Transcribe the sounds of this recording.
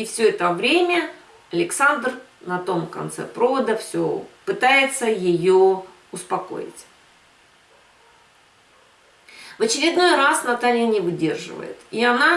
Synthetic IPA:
ɪfsʲɵɛt̪əvɾʲemʲə | ɐlʲɪksand̪r | nɐt̪o̞mkɐ̰nt̪sɛ̰pɾo̞vəd̪əfsʲo̰pɨt̪ajɪt̪səjɪjo | ʊspɐko̰jɪ̰tʲ | vət͡ɕɪɾʲɪd̪no̞jrasnɐt̪alʲɪjənʲɪvɨdʲe̞̰rʐɨ̰və̰jɪ̰t̪iɐna

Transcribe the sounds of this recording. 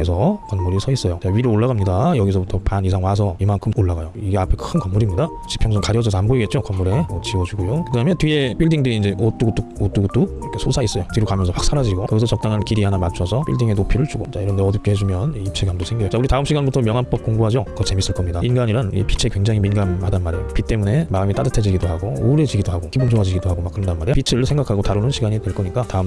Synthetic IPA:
esʰʌkʌnmuɾisʰʌis͈ʌjot͡ɕaɥiɾɯɭoɭːaɣamɲidajʌɡisʰʌbutʰʌpanisʰaŋwas̬ʰʌimankʰɯmoɭːaɡajoiɡe̞apʰekʰɯnkʌmːuɾimɲida | t͡ɕi̥pʰjʌŋsʰʌŋkaɾjʌd͡ʑʌs̬ʰʌanboiɡe̞t̚t͡ɕ͈okʌmːuɾe̞mʌt͡ɕiwʌd͡ʑuɡujokɯdaɦɯmjʌntɥie̞p͈iɭdiŋdɯɾiːnd͡ʑe̞ʔot͈uɡut͈uot͈uɡut͈oʌkʰesʰosʰais͈ʌjotɥiɾokamjʌnsʰʌɸʰak̚s͈ʰaɾad͡ʑiɡokɯɡsʰʌt͡ɕʌk̚t͈aŋɦankiɾiɦanamat͡ɕʰʌsʰʌp͈ḭɭdiŋe̞nopʰiɾɯɭt͡ɕuɡot͡ɕaiɾʌndeʌdupk͈ʰehed͡ʑumjʌnip̚t͡ɕʰeɡamdosʰe̞ŋɡiʌt͡ɕauɾitaɯmɕ͈ʰiɡanbutʰʌmjʌŋɦanp͈ʌp̚k͈oŋɡuɦad͡ʑʌkʌt͡ɕe̞mis͈ɯɭk͈ʌmɲidainɡaɲiɾanḭpʰi̥t͡ɕʰekwe̞ŋd͡ʑaŋiminɡamhadanmaɾejopʰit͈e̞mune̞maɯmit͈adɯtʰed͡ʑiɡidoɦaɡooɾe̞d͡ʑiɡidoɦaɡokiboŋd͡ʑʰoad͡ʑiɡidoɦaɡomak͈ɯɾʌndanmaɾijpit͡ɕʰɯɯɭsʰe̞ŋɡakʰaɡotaɾunɯnɕʰiɡaɲidwe̞ɭk͈ʌɲik͈ataɯm

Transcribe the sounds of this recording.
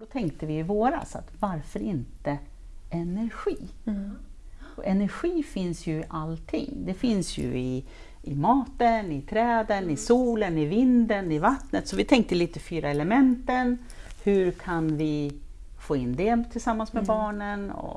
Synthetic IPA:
d̪ɔt̪ʰɛŋk̚t̪əvɪvoːɾa̰sa̰t̪vaɾfœɾɪnt̪ə | ɛnæɾɧiː | ɔʔɛnæɾɧiːfɪnsjɵɪʔalt̪ʰɪ̰ŋːd̪ɛfɪnsjɵ̰ɪ | ɪmɑːt̪ənɪt̪ʰɾɛːd̪ənɪsuːlənɪvɪnd̪ənɪvat̪nət̪sɔvɪt̪ʰɛŋk̚t̪əliːt̪əfyːɾaɛləmɛnt̪ən | hɵɾkʰanvɪ | foːɪnd̪ɛt̪ʰɪlsamːansmɛbɑːɳənɔ̰

